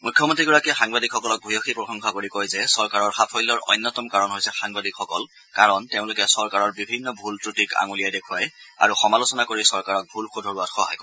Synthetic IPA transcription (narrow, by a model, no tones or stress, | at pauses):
mujkʰjɔmɔntɹiɡɔɹakɛxaŋbadikxɔkɔlɔk̚bʱujɔxipɹɔxɔŋxɔkoɹikojzɛsɔɹkaɹɔɹxapʰɔjlɔɹɔ̰jnːɔtɔmkaɹɔnɦojsɛxaŋbadikxɔkɔl | kaɹɔnteʊ̃lʊkɛsɔɹkaɹɔɹbibʱinːɔbʱultɹutika̰ŋulijajdekʰuaja̰ɹuxɔmalʊsɔnakoɹisɔɹkaɹɔk̚bʱulxudʱɔɹuatxɔɦa̰jkɔ